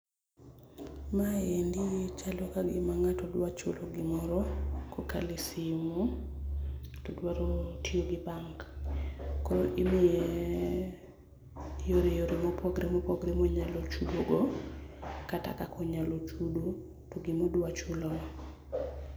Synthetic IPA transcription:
majendiet͡ʃalokaɡɪmaŋatɔdwat͡ʃolɔɡɪmɔɾɔkoka̰lɪsɪmɔ | atɔdwaɾotioɡɪbaŋk | koʔimɪe | joɾejoɾemopoɡɾemopoɡɾemoɲalot͡ʃudoɡo | kata̰kakʰɔɲalot͡ʃudo | toɡɪmodwat͡ʃulɔ

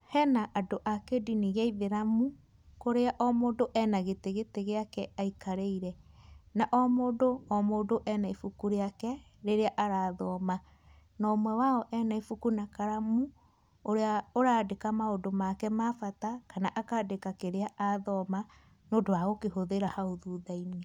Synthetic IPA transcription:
hɛnaʔadoʔakediniɣaiðeɾamu | koɾeaʔɔmodoʔɛnaɣeteɣeteɣeakɛaikaɾeiɾɛnaʔɔmodoɔmodoʔɛnaifukuɾeakɛ | ɾeɾeaʔaɾaːðɔma | nɔmwɛwaɔʔɛnaifukunakaɾamu | oɾeaoɾaːdekamaodomakɛmafatakanaʔakadekakeɾeaʔaðɔma | noːdoaɣokehoðeɾahaoðuðaine

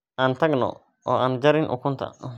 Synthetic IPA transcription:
ʔaːnt̪ʰɐɡnɔ̰ | ʔɔːaːnd͡ʒɐɾɪnʔʊ̰kʰʊnt̪ʰɐ̰

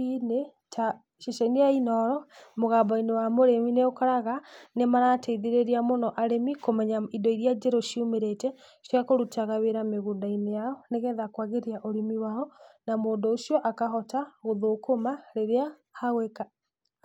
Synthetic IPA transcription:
ine | ta | ʃeʃainejainɔɾɔmoɣabainewamoɾemineokaɾaɣanemaɾateiðeɾeɾiamonɔʔaɾemikomɛɲaidɔiɾiad͡ʒɛɾoʃiumeɾetɛ | ʃakoɾutaɣaβeɾameɣuːndainejaɔneɣɛðakwaɣeɾiaʔoɾimiwaɔnamoːndoːʃiɔʔakaɦɔtaɣoðokomaɾeɾea | haɣweka

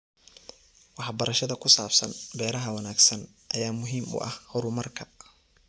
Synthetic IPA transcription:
wɑħbɐɾɐʃɐðɐkʰʊsaːbsɐnbɛːɾɐɦɐwɐnaːɡsɐn | ʔɐjaːmʊɦiːmʊ̰ʔɐ̰hhɔɾʊmɐrkʰɐ

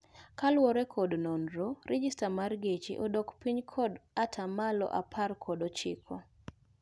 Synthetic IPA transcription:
kalwɔɾɛkʰɔdnɔndɾoɾɛd͡ʒistamarɡet͡ʃḭʔodɔkpiɲkʰɔdatʰamalɔ̰ʔapʰarkʰɔdot͡ʃɪ̰kʰɔ

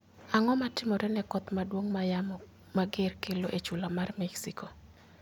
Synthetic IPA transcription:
aŋɔmatɪmɔɾɛnɛkɔt̪madwoŋmajam | maɡerkɪloʔet͡ʃulamarmɛksiko

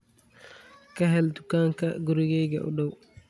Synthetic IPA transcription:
kaɦɛltukaŋkaɡuɾɡɛɡɛ̰ʔɔ̰ɗɔw

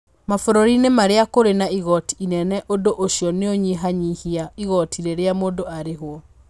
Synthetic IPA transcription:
mafoɾoɾinemaɾeakoɾenaiɣɔtiinɛnɛʔodoʔoɕjɔneoɲiɦaɲihiaiɣɔtiɾeɾeamoːdoaɾeɦwɔ

